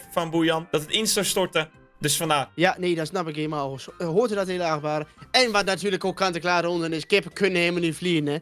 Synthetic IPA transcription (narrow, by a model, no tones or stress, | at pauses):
fɔnbujɔnd̥ɔtətɪnsɔstɔɹtə | døsfɔnaːjaneːdɔsnapɪkeːmalshoːətədɔtelˠəaxbaːɾəɛnʋatnatʰyːləkokʰːantəklaːɾəondənɪskɪpəkʰønəhemənyfliənɛ